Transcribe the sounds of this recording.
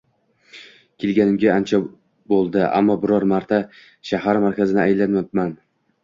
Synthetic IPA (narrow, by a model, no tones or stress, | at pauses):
kʲʰelˠɡʲanɪmɡʲaant͡ʃʰa | bolˠd̪ɪʔa̰mːɒbɪɾɒɾmaɾt̪ʰa | ʃahaɾmaɾkʲazɪnɪajɪlːanmat̪man